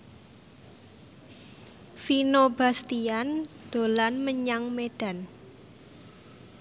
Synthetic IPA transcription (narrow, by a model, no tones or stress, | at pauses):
finoba̤st̪iand̪̥o̤lanməɲaŋmeɖ̥a̤n